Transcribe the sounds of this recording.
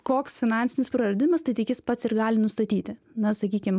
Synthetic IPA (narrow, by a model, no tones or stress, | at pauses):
koːksfʲɪnɑːnʲsʲɪnʲɪspɾɐɾɐd̪ʲɪɪmɐst̪ɐɪt̪ʲɪkʲɪspɐt̪sɪɾɡɑːlʲɪnʊst̪ɐt̪ʲiːt̪ʲɪ | nɐsɐkʲiːkʲɪm